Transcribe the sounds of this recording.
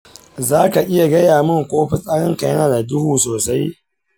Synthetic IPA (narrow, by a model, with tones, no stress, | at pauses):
zaː˦ka˨ʔɪ˦ja˨ɡɐ˦jaː˨mɪ˦ŋkʷʼoː˦ɸi˦sʼaː˦ɽɪ˦ŋka˨jɐ˦naː˨da˨dʊ˦huː˨soː˨sa˦j